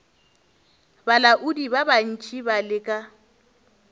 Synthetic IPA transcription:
balaʔʊdibaban̩t͡ʃʼibalɪkʼa

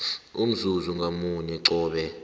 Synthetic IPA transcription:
um̩zuzuŋɡʱamuɲɛǀɔːɓɛ

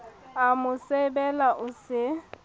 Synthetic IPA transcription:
amʊsebɛlaʔʊsɪ

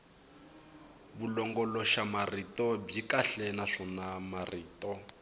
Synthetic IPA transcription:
βulɔŋɡɔlɔʃamaritʼɔb͡ʐikaɬɛnaʂɔnamariːtʼɔ

